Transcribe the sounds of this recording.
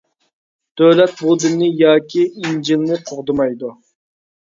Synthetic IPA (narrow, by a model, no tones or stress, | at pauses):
d̪̥ølɛt̪̚bud̪ɨnnːɨjɑːkʲʰiind͡ʒilnɨqʰoʁd̪ɨmɑjd̪u